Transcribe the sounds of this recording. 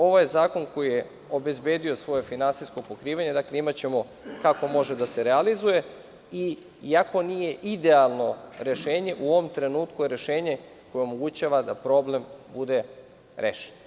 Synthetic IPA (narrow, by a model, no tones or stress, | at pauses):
o̞ʋojezaːko̞nko̞jije | o̞be̞zbe̞ːd̪io̞sʋo̞jefinansiskopo̞kɾiːʋaɲe̞d̪akleimat͡ɕe̞mo̞ | kako̞mo̞ʒe̞d̪aseɾealizuje̞ | i | iako̞nije̞ʔid̪e̞alˠno̞ɾe̞ʃe̞ːɲe̞ʔuo̞ʋo̞mt̪ɾe̞nuːt̪kujeɾe̞ʃe̞ːɲe̞ | ko̞jeomo̞ɡut͡ɕaʋad̪apɾo̞ble̞mbud̪e̞ | ɾḛːʃe̥n